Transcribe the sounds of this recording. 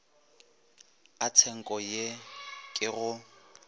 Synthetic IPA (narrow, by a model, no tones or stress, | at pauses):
at͡sʰɛŋ̩kʼɔjekʼɪɣʊ